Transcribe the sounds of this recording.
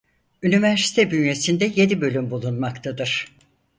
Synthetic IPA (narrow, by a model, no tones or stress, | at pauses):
ynivæɾsi̥t̪ʰɛbynje̞sind̪ɛje̞d̪ibø̞lʲymbulˠunmakt̪ʰad̪ɯɾ̥